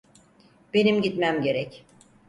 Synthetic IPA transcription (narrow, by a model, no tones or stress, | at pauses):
b̥e̞nimɟit̪mæmɟe̞ɾɛc